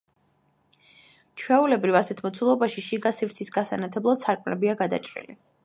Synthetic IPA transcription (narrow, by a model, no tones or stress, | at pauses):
t͡ʃʰwɛulɛbɾivasɛt̪ʰmɔt̪sʰulˠɔbaʃiʃiɡasivɾt̪sʰisɡasa̰nat̪ʰɛblˠad̪̥saɾkʼmlɛbiaɡad̪a̰t͡ʃʼɾḭlḭ